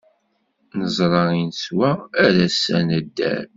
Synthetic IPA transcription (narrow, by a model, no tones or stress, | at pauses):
nəzˤɾˤɑinswæːɾæsænəd̪ːæ̰ɾ